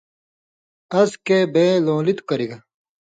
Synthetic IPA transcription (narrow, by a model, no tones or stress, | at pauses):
ɐskebeːlõːlit̪u̥kɐɾiɡɐ